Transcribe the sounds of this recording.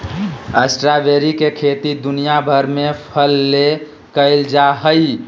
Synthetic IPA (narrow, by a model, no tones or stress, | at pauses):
əsʈɾabeɾikekʰet̪id̪unijabʱəɾmepʰəlːe | kəɪld͡ʒaɦəi